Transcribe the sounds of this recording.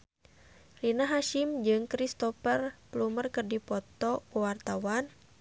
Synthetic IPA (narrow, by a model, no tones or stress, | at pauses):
rinaɦaʃimd͡ʒɨŋkɾist̪ɔfərplumərkərdipɔt̪ɔkuwart̪awan